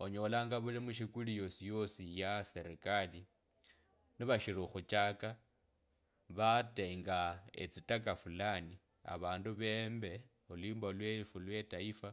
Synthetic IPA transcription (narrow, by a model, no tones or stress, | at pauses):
oɲolaːŋɡaβulimuʃikulijosijosijaseɾekali | niβaʃiɾuxut͡ʃʼaka | βateŋɡaḛt͡sitakafulani | a̰βaːnduβembe | ulwiːmbalwefulwetaifa